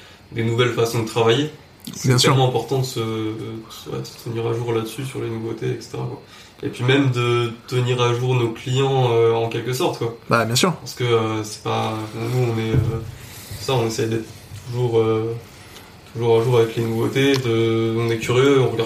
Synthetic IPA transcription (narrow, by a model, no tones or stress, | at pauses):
d̪enuvɛlfasɔ̃d̪ət̪χavaje | sɛjɛ̃smɑ̃ɛ̃pɔʁt̪ɑ̃d̪əsəd̪ədəwɛ̰d̪əsə̥t̪ʰəniʁaʒuʁlad̪əsysyʁlenuvot̪eɛkse̥t̪eʁakwa̰ | ḛpɥimɛmd̪ət̪əniʁaʒuʁnoklijɑ̃øɑ̃kʲɛlkəsɔʁt̪kwababjɛ̃syːʁpaʁsə̥kəøsɛ̥pa̰bɔ̃nuɔ̃nɛøt̪u̥saɔ̃nesɛjd̪ɛt̪χət̪ʰuʒuʁø | t̪ʰuʒuʁaʒuʁavɛklenuvot̪ed̪əɔ̃nɛkʲyʁjøɔ̃ʁɡa